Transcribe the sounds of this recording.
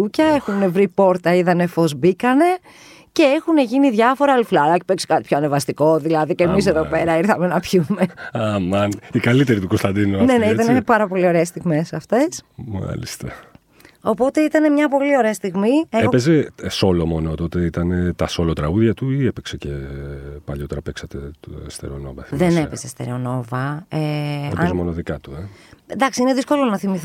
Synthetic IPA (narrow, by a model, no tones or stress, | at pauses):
ucɐe̞xunevɾipo̞ɾt̪ɐiðɐne̞fo̞zbikɐne̞ | ce̞exune̞ʝiniðʝɐfo̞ɾɐlflɐɐce̥pekse̥kɐt̪ipçoɐnevɐst̪iko̞ðilɐðicemis̬e̞ðo̞pe̞ɾɐiɾθɐme̞nɐpçume̞ɐmɐnikɐlit̪e̞ɾit̪ukost̪ɐnd̪inune̞neit̪ɐnepɐɾɐpo̞lio̞ɾe̞ːst̪iɣmesɐft̪e̞sma̰lḭst̪ɐ̰ | o̞po̞t̪e̞it̪ɐne̞mɲɐpo̞lio̞ɾe̞ɐst̪iɣmieeopezeso̞lomo̞not̪o̞t̪e̞it̪ɐne̞t̪ɐso̞lot̪ɾɐɣuðʝɐt̪uiepeksecepɐʎo̞t̪eɾɐpeksɐt̪est̪e̞̰ɾeo̞no̞vɐ̰θðene̞pe̞zest̪e̞̰ɾeo̞no̞vɐeɐzmonoðikɐt̪uend̪ɐksiineðisko̞lo̞nɐθimiθ